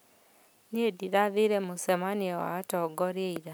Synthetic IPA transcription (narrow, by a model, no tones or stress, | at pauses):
niediɾaðiɾemosɛmaniɛwa̰tɔɡɔɾjeiɾa